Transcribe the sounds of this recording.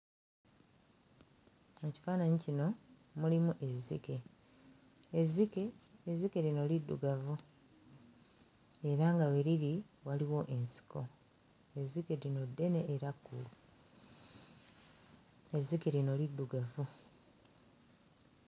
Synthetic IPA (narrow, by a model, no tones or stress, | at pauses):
eci̥faːnaɲicino̞ | mulimuʔe̞zːḭke̞ | zike̞ːzike̞ɾino̞lidːṵɡavu | e̞ɾaŋɡawe̞ɾiɾi | waliwo̞ʔe̞nsi̥kʰo̞ | e̞zːike̞ɾino̞dːe̞ne̞ʔːɾakːulu | e̞zːike̞ɾino̞lidːuɡavu